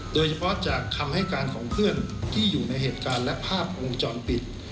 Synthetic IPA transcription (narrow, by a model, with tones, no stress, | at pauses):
doː˧jt͡ɕʰa˧pʰɔ˦˥t͡ɕaː˨˩kʰːa˧mha˥˩jkaː˧nkʰɔː˩˦ŋpʰɯ˥˩ənt̪ʰiː˥˩juː˨˩na˧jɦeː˨˩t̪̚kaː˧nlɛ˦˥ʔpʰaː˥˩p̚wo˧ŋt͡ɕɔː˧npi˨˩t̪̚